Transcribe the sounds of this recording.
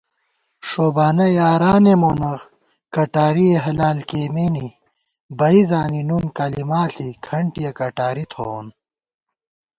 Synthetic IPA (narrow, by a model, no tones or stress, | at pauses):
ʂoːbaːnɐjaːɾaːnemoːnɐɣ | kɐʈaːɾieɦɐlaːlkeːmeni | bɐizaːninunkɐlimaːɬikʰɐɳʈijɐkɐʈaːɾit̪ʰoːn